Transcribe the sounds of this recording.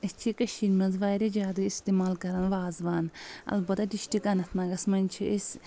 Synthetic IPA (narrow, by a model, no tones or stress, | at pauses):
ɐst͡ʃʰikɐʃiːnmɐnzʋaːɾid͡ʒaːd̪uist̪eːmaːlkɐɾɐnʋaːzʋaːnɐ̰lbɐt̪aɖiʃʈikanɐt̪ʰnɐɡɐsmɐnʲt͡ʃʰiis